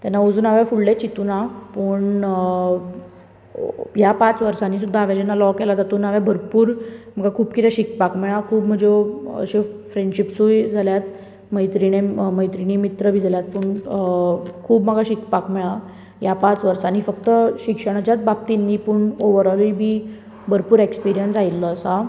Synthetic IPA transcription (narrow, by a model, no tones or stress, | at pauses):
t̪janːaod͡zuːnaʋãfuɭlet͡ɕit̪unapəɳ | japat͡sʋəɾsaniːs̬ud̪ʱːaːʋjad͡ʑɛnːalɔkɛlad͡zat̪uːnaʋabʱəɾpuːɾm̤əɡakʰuːbkit̪aɕik̚pakmɛɭakʰuːbm̤əd͡zeə̰ɕefɾeɳɖɕipsujd͡zʱaljat̪ | məjt̪ɾineməjt̪ɾinimit̪ɾəbʱiːd͡zʱaljat̪̚puɳ | kʰuːbməɡʱaɕikpakmɛɭa | japat͡sʋəɾsaniːfək̚t̪əɕikʂəɽ̃at͡ɕjat͡sbap̚t̪inːiːpuɳoʋəɾəlibʱiː | bʱəɾpuːɾekspiɾijənsailːəːsa